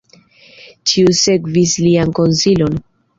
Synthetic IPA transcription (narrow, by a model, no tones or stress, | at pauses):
t͡ʃʰiuseɡvislianko̞nsilo̞n